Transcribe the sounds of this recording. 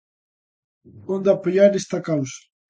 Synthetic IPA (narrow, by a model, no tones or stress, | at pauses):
ond̪apəʎaɾest̪akawsḁ